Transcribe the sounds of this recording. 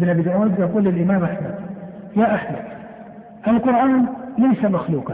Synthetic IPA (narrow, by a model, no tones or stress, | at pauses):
bɪnabɪd̪ʔawad̪ːʔaquːlːɪlʔɪmaːmʔaħmad̪jaːʔaħmad̪ | ʔalqʊɾʔaːnlajsamaxluːqɑ